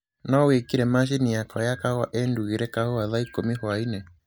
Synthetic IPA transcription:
nawekiɾɛmaʃ̬iniakɔjakahwa̰ʔɛnduɣiɾɛkahoaðaikomihwainɛ

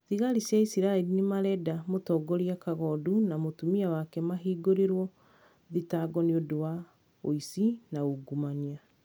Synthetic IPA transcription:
ðiɣaɾisjaisiɾaɛɾinemaɾɛdamotɔːɡɔɾiakaɣɔdunamotumiawakɛmaɦiːɡoɾeɾwɔ | ðitaɡɔneodowa | oisinaoɡumania

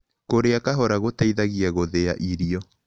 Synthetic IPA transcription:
koɾeakaɦɔɾaɣotaiðaɣiaɣoðeaʔiɾiɔ

